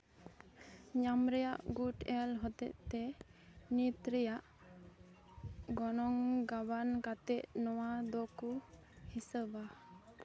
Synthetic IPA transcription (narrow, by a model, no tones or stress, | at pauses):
ɲamɾɛjaʔɡuʈɛlɦɔt̪ɛ̰ʔt̪ɛnit̪ɾijaʔ | ɡɔnɔŋɡabankat̪ɛʔ̚nɔwad̪ɔku | hisəba